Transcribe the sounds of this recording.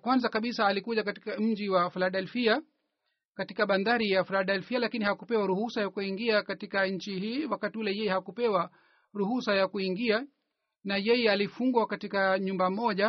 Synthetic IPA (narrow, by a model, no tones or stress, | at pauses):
kwanzakaɓisaːlikuʄakatikam̩d͡ʒiwafilaɗɛlfia | katikaɓandaɾijafilaɗɛlfialakinihakupɛwaɾuhusajakuiŋɡiakatikaɲ̩t͡ʃihiːwakatiulɛjɛjɛhakupɛwa | ɾuhusajakuiŋɡia | najɛjɛalifuŋɡwakatikaɲumbamɔʄa